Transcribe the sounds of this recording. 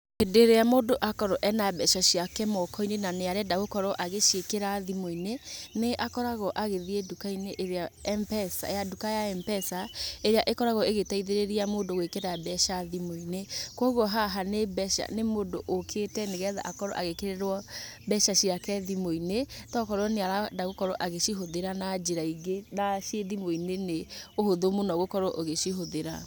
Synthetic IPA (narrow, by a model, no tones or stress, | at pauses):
edeɾeamoːdoʔakɔɾɔʔɛnabɛʃaɕiakɛmɔkɔinenaneaɾɛdaɣokɔɾɔʔaɣeʃekeɾaðimoineneʔakɔɾaɣɔʔaɣeðiedukaineʔeɾeaɛmpɛsa̰jadukajaɛmpɛsaeɾeaʔekɔɾaɣɔeɣetaiðeɾeɾiamodoɣekeɾabɛʃaðimoinekɔɣɔɦaɦanebɛʃa̰nemodoʔokʰetɛneɣɛða̰ʔakɔɾɔ̰ʔaɣekeɾeɾwɔbɛʃaɕiɾakɛðimoinetɔkɔɾɔneaɾadaɣokɔɾɔʔaɣeʃiɦoðeɾanad͡ʒeɾaiɡenaʃeðimoineneohoðomonɔɣokɔɾɔʔoɣeʃiɦoðeɾa̰